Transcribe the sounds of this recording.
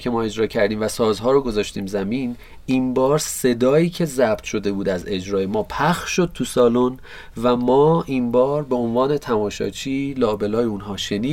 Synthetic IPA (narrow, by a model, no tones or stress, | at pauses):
cʰe̞mɒːe̞d͡ʒɾɒːcʰæɾd̪iːmvæsɒːzɦɒːɾoɡo̞zɒːʃt̪iːmzæmiːn | iːnbɒːɾse̞d̪ɒːiːcʰe̞zæb̥t̪ʃo̞d̪e̞buːd̪æze̞d͡ʒɾɒːje̞mɒːpʰæxʃʃo̞d̪̥̚t̪ʰusɒːlon | væmɒːʔinbɒːɾbe̞onvɒːne̞t̪ʰæmɒːʃɒ̰ːt͡ʃʰiːlɒːbe̞lɒːjeunɦɒːʃe̞niː